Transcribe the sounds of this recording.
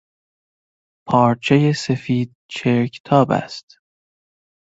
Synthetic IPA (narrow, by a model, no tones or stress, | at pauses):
pʰɒːɾt͡ʃʰe̞jesefiːd̪̥̚t͡ʃʰeɾkʰe̥t̪ʰɒːbæ̰st̪